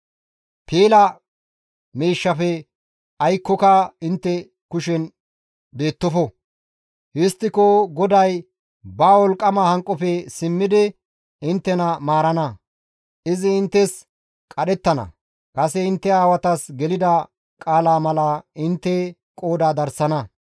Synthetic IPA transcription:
peːlɐ | miːʃːɐfɛ | ɐjkːɔkɐɪnt̪ːɛ | kʊʃɛn | be̞ːt̪ːɔfɔ | hɪst̪ːɪkoɡɔd̪ɐj | baːwɔlkʼːɐmahɐŋkʼːɔfɛsɪmːɪd̪ɪ | ɪnt̪ːɛnɐmaːɾɐnɐ | ɪzɪɪnt̪ːɛs | kʼɐɗɛt̪ːɐnɐ̰ | kʼɐsɛɪnt̪ːɛaːwɐt̪ɐsɡɛlɪd̪ɐ | kʼaːlaːmɐlɐɪnt̪ːɛ | kʼo̞ːd̪aːd̪ɐɾsɐnɐ

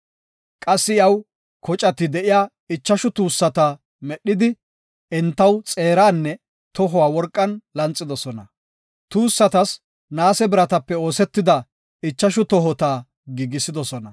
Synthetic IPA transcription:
kʼɐsːɪjɐw | kɔt͡ʃʼɐt̪ːɪd̪ɛʔɪjaː | ɪt͡ʃːɐʃʊt̪uːsːɐt̪ɐ | mɛɗːɪd̪ɪ | ɛnt̪ːɐwt͡sʼe̞ːɾaːnːɛ | t̪ɔɦɔwaːwɔɾkʼːɐnlɐnt͡sʼːɪd̪ɔsɔnɐ | t̪uːsːɐt̪ɐs | naːsɛbɪɾɐt̪ɐpːɛo̞ːsɛt̪ːɪd̪ɐ | ɪt͡ʃːɐʃʊt̪ɔɦɔt̪aː | ɡiːɡɪsɪd̪ɔsɔnɐ

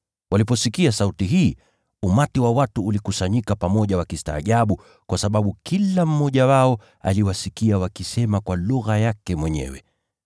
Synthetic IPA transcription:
walipɔsikiasautiɦiː | umatiwawatuːlikusaɲikapamɔʄawakista̰ːʄaɓu | kwasaɓaɓukilam̩mɔʄawaɔ | a̰liwasikiawakisɛmakwaluɣajakɛmwɛɲɛ̰wɛ

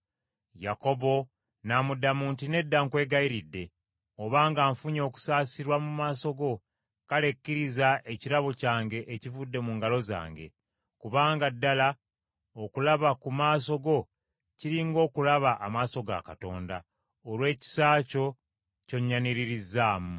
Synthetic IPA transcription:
jako̞βo̞ | namudamuːntine̞dːaŋkwe̞ːɡaiɾidːe̞ | oβaːŋɡaːɱfuɲo̞ːku̥saːsiɾwamumaːso̞ɡo̞ | kale̞kːiɾizaʔeciɾaβocaːŋɡe̞ʔːcivudːe̞muːŋɡalo̞za̰ːŋɡe̞̰ | kuβaːŋɡadːala | okulaβakumaːs̬o̞ɡo̞ | ciɾiŋɡo̞ːkulaβaʔamaːso̞ɡa̰kato̞ːnda̰ | olwe̞ːci̥saːco̞ | co̞ɲːaniɾiɾizːaːmu

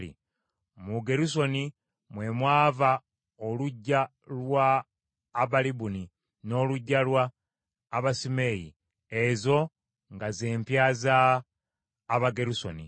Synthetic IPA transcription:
ḭ | muɡe̞ɾus̬o̞ni | mwe̞mwaːva | oluɟːa | lwaː | βalibuni | no̞ːluɟːalwaː | βasime̞jḭ | ezo̞ | ŋɡaze̞ːmpjaːza | βaɡe̞ɾuso̞̰nḭ

